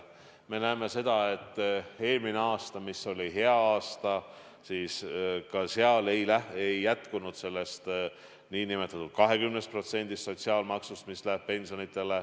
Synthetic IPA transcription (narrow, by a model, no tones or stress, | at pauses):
me̞næeme̞se̞d̪̥ɑe̞t̪ːe̞ːlmine̞ɑːst̪ɑmisːo̞lʲiɦe̞ɑɑːst̪ɑ | siːskɑseɑle̞jlæejːæt̪kunud̪̥se̞lːe̞st̪ | niːnime̞t̪ːˑɑt̪ːˑud̪̥̚kɑɦe̞kymnest̪̚pro̞t̪se̞nʲd̪̥ist̪so̞t̪ʲsiɑːlmɑksust̪mislæb̥̚pe̞nsonit̪ˑːe̞le